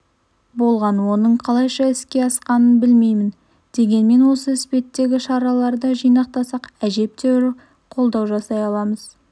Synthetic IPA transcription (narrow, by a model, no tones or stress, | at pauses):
bo̞lˠʁɑnwo̞nəɴqʰɑlˠɑjʃɑɪskʲe̞ɑsqɑnənbɪlme̞jmɪn | d̪̥e̞ɡʲe̞nme̞nwo̞səɪspe̞t̪ːe̞ɡʲɪʃɑɾɑlˠɑɾd̪ɑʒijnɑq̚t̪ɑsɑqæʒe̞p̚t̪e̞wɾ | qʰo̞lˠd̪ɑwʒɑsɑjɑlˠɑməz